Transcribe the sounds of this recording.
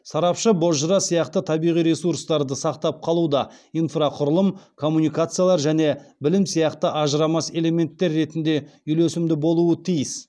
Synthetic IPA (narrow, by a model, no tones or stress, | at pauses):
sɑɾɑpʃəboʒəɾɑsijɑqt̪ət̪ʰɑbijʁijɾe̞suɾst̪ɑɾd̪əsɑqt̪ɑp̚qʰɑlˠud̪ɑijnfraqʰʊɾəlˠəmkʰo̞mːunijkat̪sɨjalˠɑɾʒæne̞bɪlɪmsijɑqt̪əʔɑʒəɾɑmɑse̞le̞me̞nt̪ːe̞ɾːe̞t̪ɪnd̪e̞ʏjlesɪmd̪ɪbo̞lˠuət̪ʰijɪs